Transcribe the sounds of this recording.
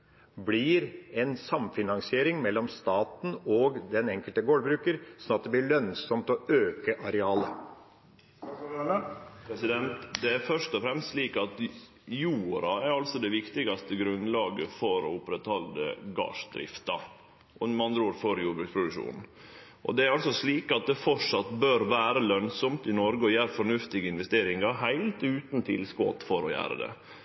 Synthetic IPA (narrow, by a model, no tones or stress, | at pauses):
blɪɾɛnsɑmfɪnɑŋsɪeːɾɪŋmɛlːɔmst̪ɑːt̪n̩ɔɡd̪ɛnɛŋkəlt̪əɡoːɽbɾʉːkəɾsɔnɑt̪̚d̪ɛblɪɾɭœnsɔmt̪ɔøːkəʔɑɾɛɑːlə | pʰɾɛsɪd̪ɛnt̪d̪ɛæɾfœʂt̪ɔfɾɛmst̪ʂliːkɑt̪ | juːɾɑæɾɑlsɔd̪ɛʋɪkt̪ɪɡɑst̪əɡɾʉnlɑːɡəfɔɾɔʊpɾɛt̪hɑld̪ə̰ɡɑ̰ːʂd̪ɾɪ̰ft̪ɑ | ʔɔnmɑnd̪ɾuːɾfɔɾjuːbɾʉːkspʰɾʊd̪ʉkʂṵːnn̩ | ʔɔ̰d̪ɛæɾɑlsɔsliːkɑt̪̚d̪ɛfɔʂɑt̪bøːɾʋæːɾəlœnsɔmt̪ɪnɔɾɡəɔjæːɾfɔɳʉft̪ɪɡəɪnʋɛst̪eːɾɪŋɑɾɦæɪlt̪ʉːt̪n̩t̪ʰɪ̰lskɔ̰t̪fɔɾɔjæ̰ːɾə̰d̪ɛ̰